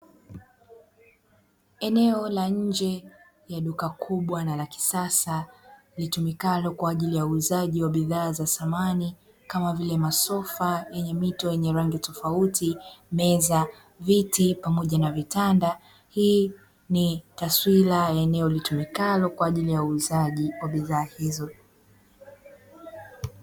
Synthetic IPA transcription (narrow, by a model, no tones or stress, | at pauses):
ɛnɛɔlaɲ̩d͡ʒɛ | jaɗukakʰuɓwanalaki̥sasa | litumikalɔkwaːʄilijauzaʄiwaɓiðaːzasamani | kamavilɛmasɔfajɛɲɛmitɔjɛɲɛɾaŋɡitɔfautʰimɛza | vitipamɔʄanavitanda | hiː | nitaswilajaɛnɛɔlitumikalɔkwaːʄilijauːzaʄiwaɓiðaːhizɔ